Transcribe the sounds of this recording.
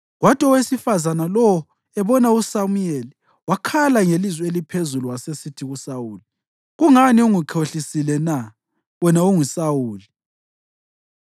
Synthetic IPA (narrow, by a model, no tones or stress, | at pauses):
ɣwatʼɔwesifazanalɔwɔ | ɛβɔnausamujeli | wakʰalaŋelizwɛelipʰezuluwasesitʰiɣusawuːli | ɣuŋaniuŋuǃʰoɬisilɛna | wɛnauŋisawuːli